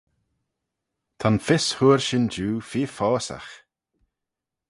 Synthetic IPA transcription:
t̪ʰanfɪshuːɹʃɪnd͡ʒuːfiːfɔːsa̰x

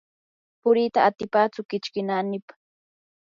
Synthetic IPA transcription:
pʊɾit̪aːt̪ɪpat͡sʊkɪt͡ʃkɪnanɪpḁ

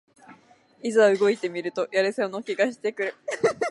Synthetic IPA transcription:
izaaɯ̟ɡo̞it̪e̞mʲiɾɯ̟t̪o̞jaɾɯsono̞kʲiɡaɕ̬i̥t̪e̞kɯ̟ɾɯ̟

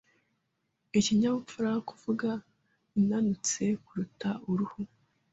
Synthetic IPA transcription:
iciɲamufuɾakuvuɡa | inanut͡se̞kuɾutaʔuɾuhu

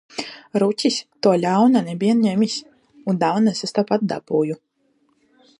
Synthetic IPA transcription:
ɾucʲisʲt̪uɔlʲawnanɛbʲiɛnɲɛmʲisʲ | und̪awnasast̪apat̪̚d̪a̰buːju

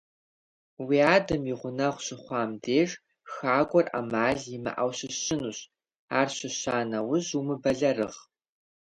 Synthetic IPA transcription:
wiaːdɐmiʁʷʊnɐʁʷɕɨχʷɑːmdeːʐ | xaːɡʷʼɔra̰maːɮimɨ̰ʔawɕɨɕɪnuɕ | aːrɕɨɕaːnɐwʊzumɨbɐɮɐrɨʁ

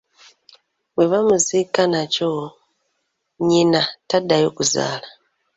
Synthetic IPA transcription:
we̞βamuzikanaco | ɲinatadajo̞kuza̰ːla

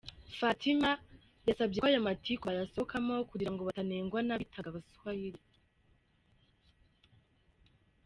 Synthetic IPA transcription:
fatʰima | jasabɟekajamatʰikoajasokʰamo̞kuɡiɾaŋɡo̞βataneːŋɡwanaβitʰaɡaβasu̥hahiɾi

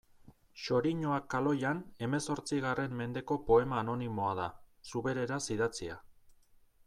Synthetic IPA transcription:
ʃo̞ɾiɲoakalo̞jane̞me̞so̞ɾt͡siɣare̞mme̞nd̪e̞ko̞po̞e̞maːno̞nimo̞aðasuβe̞ɾe̞ɾasiðat͡sia̰

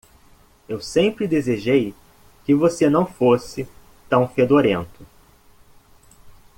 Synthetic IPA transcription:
ewsẽmpɾɪd̪ezeʒej | kɪvosenɐ̃w̃fosɪ | t̪ɐ̃w̃fed̪oɾẽnt̪ʊ

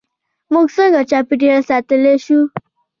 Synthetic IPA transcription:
muksə̃ŋɡat͡ɕapiʈ̬iɾasat̪əleɕu

